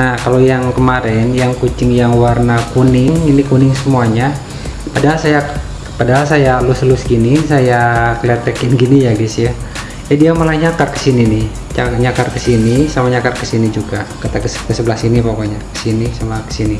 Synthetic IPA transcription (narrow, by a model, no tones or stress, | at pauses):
nakalojaŋkəmaɾɛnjaŋkut͡ʃɪŋjaŋwarnakunɪŋinikunɪŋsəmuaɲa | padaɦalsaja | padaɦalsajaluslusɡinisajaklat̪ɛkɪnɡinijaɡisia | jadiaməlaɲakarkə̥sininɪh | aɲakarkəsinisamaɲakarkəsinid͡ʒuɡakat̪akəst̪asəbəlahsinipakaɲakə̥sinisamakə̥sini